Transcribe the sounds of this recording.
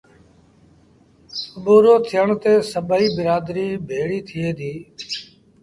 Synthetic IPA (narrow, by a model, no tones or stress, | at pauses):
əɓoːɾoːt̪ʰɪjəɳt̪eːsəɓiːbɪɾaːd̪ɾĩːbʱeːɽiːt̪ʰɪeːd̪ʱiː